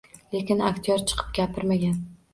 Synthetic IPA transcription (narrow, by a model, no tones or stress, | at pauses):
le̞kʲɪnakʲt̪ʰijɒɾt͡ʃʰɨ̥qʰɨ̥p̚ɡʲapʰɪɾmaɡʲan